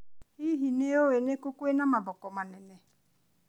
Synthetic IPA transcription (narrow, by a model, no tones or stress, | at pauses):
hiɦineowenekokoenãmabɔkɔmanɛnɛ